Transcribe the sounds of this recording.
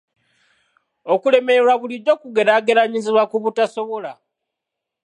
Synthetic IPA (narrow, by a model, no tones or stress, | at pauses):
o̞kule̞me̞eɾwaβulido̞kuɡe̞ɾaːɡe̞ɾaɲiziβwakuβutaso̞βo̞la